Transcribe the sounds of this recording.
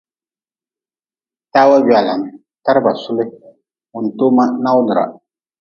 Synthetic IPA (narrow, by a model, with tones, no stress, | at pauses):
taː˦wa˦ba˨la˨ŋ˨ | ta˦ɾɨ˦ba˨sʊ˦lɪ˦ | ʊ˨n̩˨toː˦ma˦na˦wnɨ˨ɾa̰˨